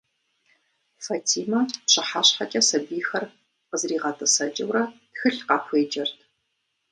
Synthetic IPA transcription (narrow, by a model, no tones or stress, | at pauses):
fɐtʰiːmɐpɕɐħaːɕħakʲʼɐsɐbiːxɐr | qəzriːʁɐtʰɐsɐd͡ʒʼɐwrɐtxɨɬqɑːpʷʰeːd͡ʒɐrtʰ